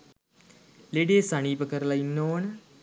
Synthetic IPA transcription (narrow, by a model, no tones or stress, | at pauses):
leɖeːsaɳ̃iːpəkəɾlɐinːoːn